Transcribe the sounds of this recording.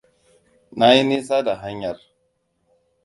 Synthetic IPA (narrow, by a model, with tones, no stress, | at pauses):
na˦ji˦ni˦s̬a˦da˨ɦa˦ɲja˨r